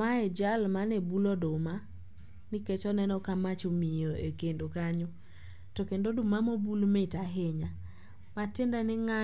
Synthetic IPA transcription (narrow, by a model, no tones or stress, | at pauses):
maɛd͡ʒalmanebulɔdoma | nɪket͡ʃɔnɛnɔkamat͡ʃomijoekendokaɲo | tɔkendodʊmamobulmetaɦɪɲa | matɪndanɪŋa